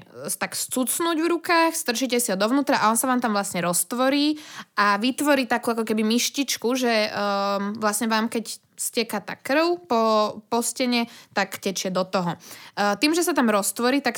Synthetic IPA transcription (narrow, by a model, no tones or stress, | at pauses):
t̪akst͡sut͡snuːɟʋɾukaːxst̪r̩t͡ʃiːcɛsiɦɔd̪ɔʊnuːt̪ɾaʔaɔnsaʋaːmt̪amʋlasɲɛɾɔst̪ʋɔɾiːʔaʋit̪ʋɔɾiːt̪akuːakɔkɛbimiʃcit͡ʃkuʒɛ | ʋlasɲɛʋaːmkɛc | scɛkat̪a̰ːkr̩ʊpɔpɔscɛɲɛt̪akcɛt͡ʃɪɛd̪ɔt̪ɔɦɔt̪iːmʒɛsat̪amɾɔst̪ʋɔɾiːt̪ak